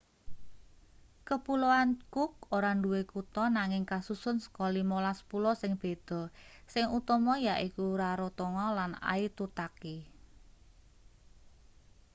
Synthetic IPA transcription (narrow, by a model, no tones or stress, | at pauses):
kəpuloankʊk̚oɾaɳɖduwekut̪ɔnaŋɪŋkasusʊnsə̥kɔlimolaspulɔsɪŋb̥e̤d̪̥ɔ̤sɪŋut̪ɔmɔjaʔikuɾaɾot̪ɔŋɔlana̰it̪ut̪aki